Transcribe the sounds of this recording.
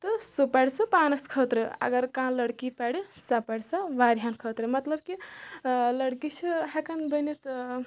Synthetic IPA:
t̪əsupaɽsɐpaːnɐskʰət̪ɾɨɐ̰ɡəɾkãlɐɽkipaɽisapɐɽsɐʋaɾɦankʰət̪ɾɨmɐt̪ləb̚ki | lɐɽkit͡ʃʰiɦakɐnbənet̪

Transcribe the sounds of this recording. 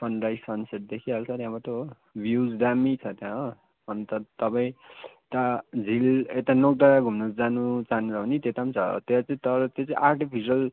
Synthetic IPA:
sʌnɾajsʌnseʈ̪̚d̪ekʰialt͡sʰʌt̪jãbat̪o | bjud͡zd̪amit͡sʰʌt̪jãɦo | ʌnt̪ʌt̪ʌpaĩt̪ad͡zʱilet̪anok̚t̪aɡʱumnosd͡zanut͡saɦnuɾʌɦonit̪et̪amt͡sʰʌ̰t̪et͡saĩt̪ʌɾʌt̪jot͡sãĩʔarʈipʰisiʌl

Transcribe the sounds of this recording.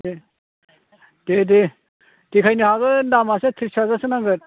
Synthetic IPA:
e | dede | tikʰajnɯhaɡɯndamaset̪ʰɾisazasɯnaŋɡɯɾ

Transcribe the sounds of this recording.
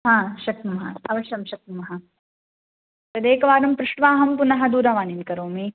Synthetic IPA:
ɦãːʃɐk̪̚umɐɦɐ̰ɐʋɐʃjɐmʃɐk̚umɐɦɐ | pɐd̪eːkɐʋaːɾɐmpɾɪʂʈʋaːɦɐmpunɐɦɐd̪uːɾɐʋaːninkɐɾoːmiː

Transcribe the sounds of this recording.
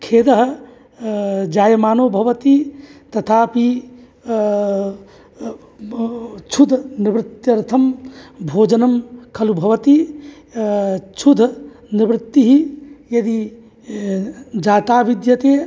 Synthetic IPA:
kʰeːd̪ɐɦ | d͡ʒaːjɐmaːnoːbʱɐʋɐt̪it̪ɐt̪ʰaːpi | t͡ʃʰud̪ʱnibɾɪt̪ːjɐɾt̪ʰɐmbʱoːd͡ʒɐnɐmkʰɐlubʱɐʋɐt̪i | t͡ʃʰud̪ʱ | nibɾɪt̪ːiɦijɐd̪i | d͡ʒaːt̪aːbid̪jɐt̪eː

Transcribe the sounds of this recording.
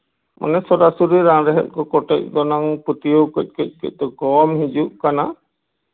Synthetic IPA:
mʔɔ̰nɛsɔɾasuɾiɾãŋɾɛɦɛ̰t̪̚ˀkɔkɔʈɛc̚d̪ɔnɔŋput̪ijowkɔc̚ˀkɔc̚ˀkɔ̰c̚d̪ɔɡɔmhid͡ʒuʔkana

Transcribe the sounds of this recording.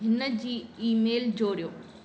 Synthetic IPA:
ɦɪnəd͡ʑiːiːmeːld͡ʑoːɾijoː

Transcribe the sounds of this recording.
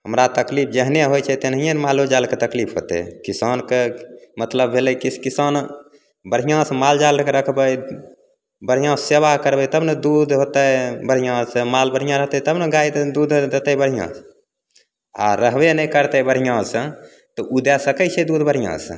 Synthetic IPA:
ɦəmɾat̪əklipʰd͡ʒəɦneɦojt͡ʃʰɛt̪enɦijenmalod͡ʒalket̪əklipʰɦo̰t̪ɛ̰kisankemət̪ləbbʱeləjkisʰkisan | bəɽ̤ijãsəmald͡ʒalkeɾəkʰbəj | bəɽ̤ijãseβakəɾbət̪əbned̪ud̪ʱɦot̪əbəɽ̤ijãsə̃malbəɽ̤ɦijãɾəɦt̪ɛt̪əbneɡaid̪d̪ud̪ʱd̪et̪əbəɽ̤ijã̰s | a̰ɾəɦbenəkəɾt̪ɛbəɽ̤ijãsə̃ | t̪ɔʔud̪ɛsəkət͡ʃʰɛd̪ud̪ʱbəɾ̤ijã̰sə̰̃

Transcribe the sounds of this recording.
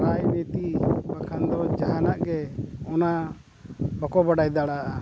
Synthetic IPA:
ɾajmet̪ibakʰand̪ɔd͡ʒaɦanaʔɡɛɔna | bɔkɔbaɖajd̪aɽaʔa

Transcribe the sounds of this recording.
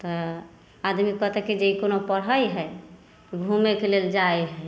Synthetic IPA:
t̪ɔ | ad̪mikːɔt̪ɛked͡ʒeikonopəɽɦəjɦɛ | ɡʱumekeleld͡ʒaeɦɛ

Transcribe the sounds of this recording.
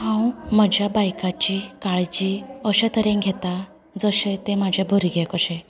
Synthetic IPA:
hãwməd͡ʑʱjabajkat͡ɕikaɭt͡ɕiəɕẽt̪əɾɛ̃ɡʱɛt̪a | d͡zəsẽt̪emad͡ʑʱebʱəɾiɡʱɛkəɕẽ

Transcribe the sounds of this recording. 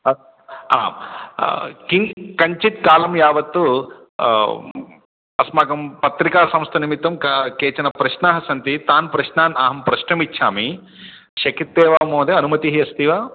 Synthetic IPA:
ɐ | a̰ːm | kiŋkɐɲt͡ʃit̪̚kaːlɐmjaːʋɐt̪ːu | ɐsmaːɡɐmpɐt̪ɾikaːsɐ̃mst̪ʰɐnimit̪ːɐmkkeːt͡ʃɐnɐpɾɐʃnaːɦɐsɐnt̪it̪aːnpɾɐʃnaːnaːɦɐmpɾɐʃnɐmitːʃʰaːmi | ʃɐkit̪ːeːʋaːmoːd̪eɐnumɐt̪iɦiɐst̪iʋaː

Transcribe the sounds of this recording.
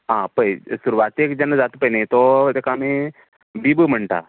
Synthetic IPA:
ɦãpəjsuɾuʋat̪ekd͡ʑɛnːəd͡zat̪pəjnẽt̪ɔt̪ekaːme | bibəm̤əɳʈ̪a̰

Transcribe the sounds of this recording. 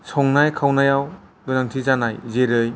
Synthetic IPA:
sʰɔŋnajkʰawnajaw | ɡɯnaŋtʰizanajzeɾɯj

